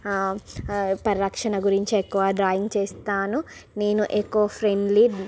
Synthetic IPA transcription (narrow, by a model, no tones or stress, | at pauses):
pɐɾɾɐkʂɐnɐɡuɾiɲt͡ʃiekːuʋaɖɾaːjiŋɡt͡ʃeːst̪aːnune̞ːnuʔekːuʋɐpʰɾeɳɖli